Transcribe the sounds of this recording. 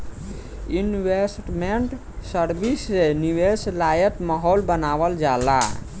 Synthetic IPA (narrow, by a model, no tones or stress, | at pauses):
inʋesʈmeɳʈ | səɾbisːeniʋeslajət̪maɦolbənaβəld͡ʒala̰